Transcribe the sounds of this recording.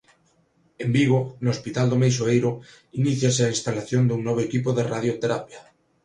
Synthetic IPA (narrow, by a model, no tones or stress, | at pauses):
embiɣonospit̪ald̪omejs̬oejɾo | iniθjaseainst̪alaθjond̪uŋnoβ̞oekipoðeraðjot̪eɾapja